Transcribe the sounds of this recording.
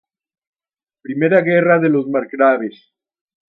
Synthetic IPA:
pɾime̞ɾaɣe̞raðe̞lo̞zmaɾkɾaβes

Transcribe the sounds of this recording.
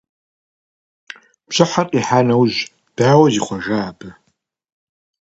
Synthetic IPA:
b̥ɕɐħarʼiħaːnɐwʑ | d̥aːwɐziːχʷɔʒaːbʰʼɨ

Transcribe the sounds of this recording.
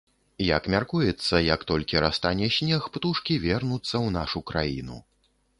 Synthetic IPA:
jɐkmʲarkujɛt̪sːɐjɐkt̪ɔlʲkʲiɾast̪anʲɛɕʲnʲɛxpt̪uʂkʲivʲɛrnut̪sːɐwnaʂukɾa̰jḭnṵ

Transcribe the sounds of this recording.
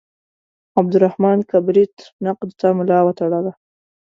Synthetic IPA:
ab̚d̪ʊɾahmɑnkabɾit̪naqd̪t̪amʊlɑwat̪aɽala

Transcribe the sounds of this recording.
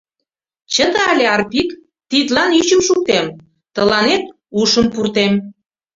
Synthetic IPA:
t͡ɕəd̪ə̆ɑlʲeɑrpik | t̪it̪lɑnyt͡ɕəmʃuk̚t̪em | t̪ə̆lɑnet̪̚ | uʃə̆mpurt̪em

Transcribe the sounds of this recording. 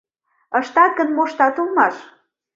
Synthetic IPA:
əʃt̪ɑɡənmoʃt̪ɑt̪əlˠmɑʃ

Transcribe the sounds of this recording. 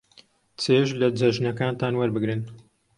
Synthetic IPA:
t͡seːʒlɐd͡zɐʒnɐkaːnt̪aːnwɐɾbɨɡɾɨn

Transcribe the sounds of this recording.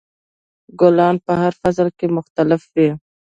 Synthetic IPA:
ɡʊlɑnpəɦaɾfazlkemʊxt̪alɪfwi

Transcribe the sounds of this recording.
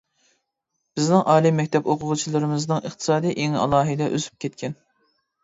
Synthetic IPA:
b̥ɪznɪŋʔɑːlˠimːɛkʲt̪ʰɛpoqʰʊʁʊt͡ʃʰilˠɨɾɨmɪznɨŋəχt̪ʰɨ̥sɑːd̪ijʔeŋɑ̰lˠɑːɦɨd̪ɛʔø̰zy̥p̚kʲʰɛt̪̚kʲʰɛn

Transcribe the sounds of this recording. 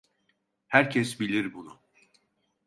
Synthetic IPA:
hæɾcʰɛs̬bilʲiɾbunʊ

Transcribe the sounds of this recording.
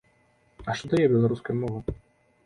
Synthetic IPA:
ɐʂt̪ɔd̪ajɛbʲɛlˠaɾuskɐjumɔvɐ

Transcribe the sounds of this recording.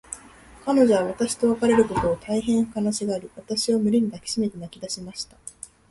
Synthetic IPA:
kano̞ʑo̞β̞aβ̞at̪aɕi̥t̪o̞βakaɾe̞ɾɯ̟ko̞t̪o̞ːt̪ʰaiɦẽ̞ɰ̥̃kanaɕiɡaːɾɯ̟βat̪aɕio̞mɯ̟ɾʲiɲ̟id̪akʲi̥ɕime̞t̪e̞nakʲid̪aɕimaɕi̥t̪ḁ

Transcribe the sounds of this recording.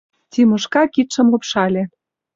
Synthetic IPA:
tʲimɤ̆ʃkɑkit̪ʃɤ̆mlɤ̆pʃɑlʲe

